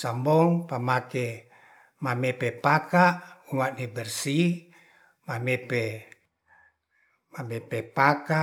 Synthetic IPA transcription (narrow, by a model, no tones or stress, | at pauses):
sambɔŋpamakɛ | mamɛpɛpakaʔuŋaʔnibɛrsi | mamɛpɛ | mamɛpɛpaka